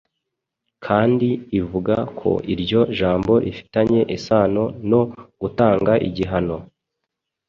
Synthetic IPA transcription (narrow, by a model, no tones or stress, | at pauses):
kʰaːndiːvuɡakʰo̞̰ʔiɾɟo̞ʒaːmbo̞ɾʔifi̥taɲe̞ʔisaːno̞no̞ɡ̥utaːŋɡaʔḭɟiɦano̞